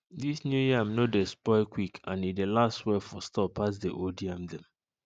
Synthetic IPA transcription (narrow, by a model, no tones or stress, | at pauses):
disnjujamnodespɔɪkwikʰãnidelastwɛfɔstɔpʰːas̬deʔodiãmdɛ̃m